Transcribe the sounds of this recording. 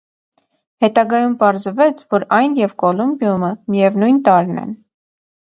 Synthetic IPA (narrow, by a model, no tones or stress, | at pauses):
hɛt̪ɑɡɑjumpɑɾzvɛt͡sʰvɔɾɑjnjɛvkɔlumbjuməmijɛvnujnt̪ɑɾnɛ̰n